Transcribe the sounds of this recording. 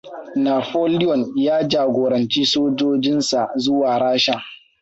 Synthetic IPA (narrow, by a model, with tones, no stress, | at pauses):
naː˨ɸoː˦lɪ˦jɔ˨njaː˦d͡ʒaː˨ɡʷoː˨ɾɐ˨nt͡ʃi˦soː˦d͡ʒoː˦d͡ʒɪ˦nsa˨zʊ˦waː˨ɽaː˦ʃa˨